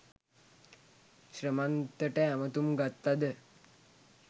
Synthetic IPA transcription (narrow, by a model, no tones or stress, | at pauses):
ɕɾəmant̪əʈəamət̪umɡat̪ːad̪ə